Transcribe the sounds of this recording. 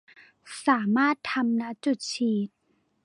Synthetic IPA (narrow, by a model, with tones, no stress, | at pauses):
saː˩˦maː˥˩˨t̪ʰːa˧mna˧˥ʔt͡ɕu˧˩t̪̚t͡ɕʰiː˧˩t̪̚